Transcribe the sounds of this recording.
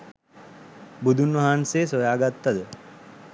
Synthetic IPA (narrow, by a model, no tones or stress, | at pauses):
bud̪ʱunʋaɦansesojaːɡat̪ːad̪ə